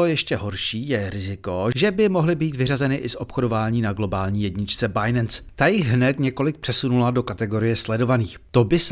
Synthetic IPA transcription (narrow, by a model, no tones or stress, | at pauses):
ojɛʃcɛɦo̞ɾʃiːjɛɾɪzɪko̞ʒɛbɪmo̞ɦlɪbiːt̪vɪrazɛnɪʔɪsʔo̞pxo̞do̞vaːɲiːnaɡlo̞baːlɲiːjɛdɲɪt͡ʃt͡sɛbajnɛnst̪ajɪɣɦnɛt̪ɲɛko̞lɪk̚pr̝̥ɛsunulado̞kat̪ɛɡo̞ɾɪjɛslɛdo̞vaniːxt̪o̞bɪs